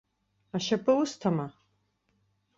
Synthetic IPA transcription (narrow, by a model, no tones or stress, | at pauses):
aʃapʰʼɨustʰama